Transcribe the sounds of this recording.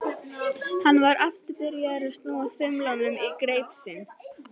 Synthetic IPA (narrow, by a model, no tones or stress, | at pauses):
hanːvaɾaft̪ɪpɪɾjaðɛɾast̪nuːaθʏmlanʏmikɾejpsɪn